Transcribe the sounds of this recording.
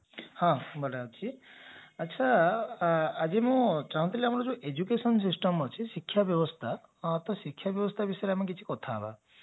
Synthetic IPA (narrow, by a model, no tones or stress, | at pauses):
hãbʱɔlaot͡ʃʰiət̪ːʃʰaː | d͡ʒimũt͡ʃaɦũnt̪ʰileamɔɾɔd͡ʒũʔed͡ʒukesɔns̬isʈɔmʌt͡ʃʰisikʰːjabjɔbɔst̪ʰaː | t̪ɔsikʰjabjɔbɔst̪ʰabisɔjɾeamɔk̬it͡ʃʰi̥kɔt̪ʰaba̰